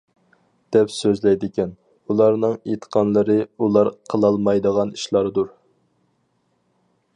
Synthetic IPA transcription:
d̪̥ɛpsøzlɛjd̪ɪkʲɛn | ulˠɑɾnɨŋet̪ʰə̥qʰɑnlˠəɾɨulˠɑɾqʰəlˠɑlˠmɑjd̪əʁɑni̥ʃlˠɑɾd̪uɾ

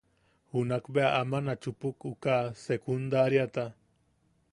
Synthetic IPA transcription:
hʊnakbeaʔamanat͡ʃʊpʊkʊkaːsekʊnd̪aɾjat̪a

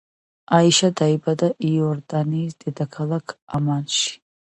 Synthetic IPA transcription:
aiʃad̪aibad̪aʔijɔɾd̪aniːsd̪̥ɛd̪akʰalˠakʰamanʃi̥

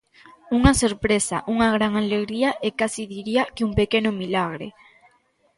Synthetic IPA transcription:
uŋasoɾpɾesa̰ʔuŋaɣɾaŋaleɣɾiaʔekasiðiɾiakɪuŋpekenʊmilaɣ̞ɾḛ

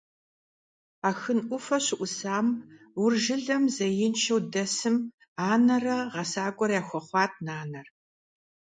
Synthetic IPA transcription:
aːxɨnʔʷʊfɐɕɪʔʷʊsaːm | wʊrʒɪɮɐmzɐjɪnʃʰɐwdɐsɨm | aːnɐrɐʁɐsaːɡʷʼɔɾjaːxʷɔχʷɑːt̚ʰnaːnɐr

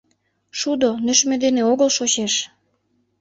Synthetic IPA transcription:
ʃud̪onø̆ʃmed̪eneoɣəlʃot͡ɕeʃ

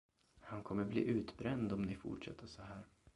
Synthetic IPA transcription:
hankʰɔmːəblḭːʔʉ̟ːt̪bɾɛnd̪ɔmnɪfʊ̰ʈʂɛ̰t̪ʰːəʂɔɦæːɾ

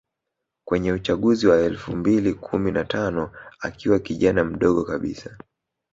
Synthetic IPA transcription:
kwɛɲɛut͡ʃaɠuziwaɛlfumbilikʰuminatʰanɔa̰kiwakiʄanam̩ɗɔɠɔkaɓḭsa

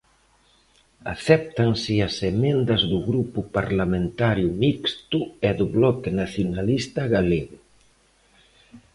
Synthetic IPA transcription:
a̰θɛp̚t̪ansɪasemẽnd̪ɐzðuɣɾupupaɾlamẽnt̪aɾjumikst̪uɛðuβlɔkenaθjunalist̪aɣaleɣʊ

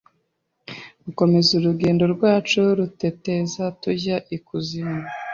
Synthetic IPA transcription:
ɡuko̞me̞zuɾuɡe̞ːndo̞ɾɡwaːt͡ʃuɾute̞te̞zatuɟaʔikuzima

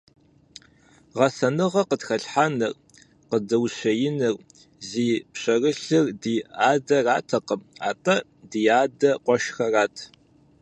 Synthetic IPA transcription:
ʁɐsɐnɨʁɐqətxɐɬħaːnɨr | qədɐwɕɐjɪnɨr | ziːpɕʼɐrɨɬɨrdiːaːdɐraːtʰɐqəma̰ːtʼɐ | dijaːdɐqʷɔʃxɐraːtʰ

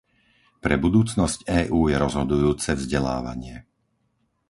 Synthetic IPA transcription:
pɾɛbud̪uːt͡snɔscɛːʔuːjɛɾɔzɦɔd̪ujuːt͡sɛvzɟɛla̰ːʋa̰ɲɪɛ

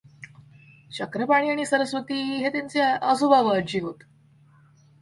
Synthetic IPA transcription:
t͡ɕəkɾəpaɽ̃iːaɽ̃iːsəɾəsʋət̪iːɦet̪jant͡seəsubʱaʋəəɾd͡ʑiːɦot̪

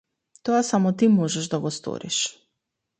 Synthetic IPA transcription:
t̪ɔasamɔt̪imɔʒɛʒd̪aɡɔst̪ɔ̰ɾḭʃ

